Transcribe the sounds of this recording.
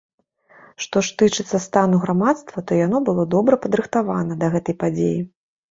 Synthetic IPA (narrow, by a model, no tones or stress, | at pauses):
ʂt̪ɔʂt̪ɨt͡ʂɨt̪sːɐst̪anuɣɾamat̪st̪vɐt̪ɔjanɔbɨlˠɔd̪ɔbɾɐpɐd̪ɾɨxt̪avanɐd̪ɐɣɛt̪ɐjpad͡zʲḛji